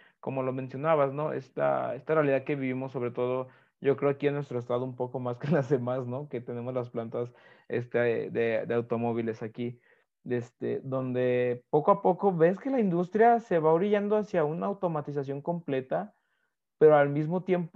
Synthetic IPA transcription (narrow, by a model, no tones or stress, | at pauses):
ko̞mo̞lo̞mẽ̞nsjo̞naβasno̞e̞̰st̪a̰e̞st̪arealiðaðke̞βiβimosːo̞βɾet̪o̞ð̞o̞ | ɟ͡ʝo̞kɾeoakienwe̞st̪ɾoe̞st̪aðoumpo̞ko̞maskenlazðemazno̞ke̞t̪e̞ne̞mo̞zlasplant̪as | ḛst̪eðeðeawt̪o̞mo̞β̞ile̞saki | e̞st̪ḛd̪o̞nd̪e̞po̞koapo̞ko̞βe̞ske̞laind̪ust̪ɾjase̞βaoβɾiʝand̪oasjaunaːwt̪o̞mat̪is̬asjo̞ŋko̞mple̞t̪a | pe̞ɾoalmizmot̪je̞mp